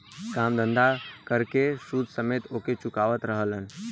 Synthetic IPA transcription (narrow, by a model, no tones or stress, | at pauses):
kamd̪ə̃nd̪akəɾkesud̪ʱsəmeːt̪oket͡ʃukaːʋət̪ɾəɦələn